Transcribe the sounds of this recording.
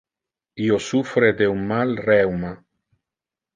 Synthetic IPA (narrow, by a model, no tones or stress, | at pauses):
iosufɾed̪eumːalrɛwma